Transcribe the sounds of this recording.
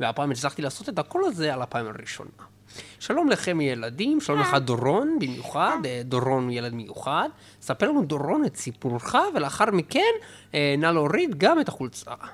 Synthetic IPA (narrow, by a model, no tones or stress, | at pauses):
veapaamet͡slaχt̪ilaːso̞t̪et̪ako̞laze̞alapaima̰ʁiʃo̞̰na | ʃalo̞mleχe̞mijeladimʃalomleχad̪o̞ʁo̞nbimjuχad̪d̪oʁo̞njeled̪mejuχad̪ | sapelanud̪o̞ʁo̞nett͡sipuɾχaveleaχaʁmike̞n | enaloʁid̪ɡamet̪aχult͡sa̰